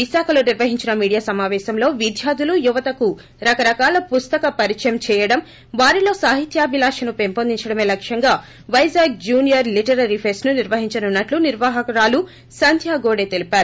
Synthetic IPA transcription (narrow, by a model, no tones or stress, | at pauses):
ʋiʃaːkʰɐlo̞ːniɾʋɐɦiɲt͡ʃinɐmiːɽijaːsɐmaːʋɛːʃɐmlo̞ːʋid̪ʱjaːd̪ulujuʋɐt̪ɐku | ɾɐkɐɾɐkaːlɐpust̪ɐkɐpɐɾit͡ʃɐjɐmt͡ʃɛːjɐɽɐm | ʋaːɾilo̞ːsaːɦit̪jaːbʱilaːʂɐnupempoːnd̪iɲt͡ʃɐɽɐme̞ːlɐkʂjɐŋɡaː | ʋɐjzaːɡ̚d͡ʒuːnijɐɾliʈɐɾɐɾipʰeːsnuniɾʋɐɦiɲt͡ʃɐnunːɐʈluniɾʋaːɦɐkɐɾaːlu | sɐnd̪ʱjaːɡoːɽe̞ːt̪e̞lipaːɾu